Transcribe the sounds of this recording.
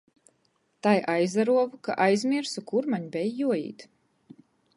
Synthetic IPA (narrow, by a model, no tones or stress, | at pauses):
t̪ajʔajzaɾuɔvka̰ʔajzmiɾsukuɾmaɲbʲɛjjuɔjḭːt̪